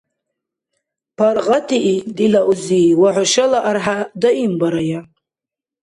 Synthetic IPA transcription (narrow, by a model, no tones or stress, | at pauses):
pʰarʁatʰiʔidilaʔuziwaʕʷʊʃalaʔarħadaimbaɾaja